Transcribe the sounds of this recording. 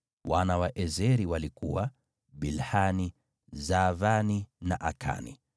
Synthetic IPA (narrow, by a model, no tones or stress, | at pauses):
wanawaʔɛzɛɾiwalikuwa | bilhani | zavaninaʔakʰa̰nḭ